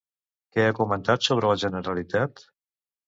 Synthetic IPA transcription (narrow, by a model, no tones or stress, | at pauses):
kɛakumənt̪at̪soβ̞ɾələʒənəɾəlit̪at̪